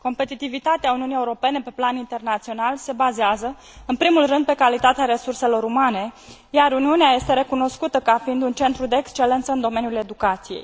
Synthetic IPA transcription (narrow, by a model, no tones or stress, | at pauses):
ko̞mpe̞t̪it̪ivit̪at̪eauniunije̞uɾo̞pe̞ne̞pe̞planint̪e̞rnat̪sio̞nalse̞bazeazə | ɨnpɾimulrɨnd̪̚pe̞kalit̪at̪eaɾe̞surse̞lo̞ɾumane̞ | jaɾuniuneaje̞st̪e̞ɾe̞kuno̞skut̪əkafiind̪unt͡ʃe̞nt̪ɾud̪eːkst͡ʃe̞le̞nt̪səɨnd̪o̞me̞njule̞d̪ukat̪sijḛj